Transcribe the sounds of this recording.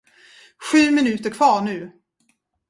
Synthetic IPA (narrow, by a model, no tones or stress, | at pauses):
ɧʉ̟ːmɪnʉ̟ːt̪əɾkʰvɑːɳʉ̟ː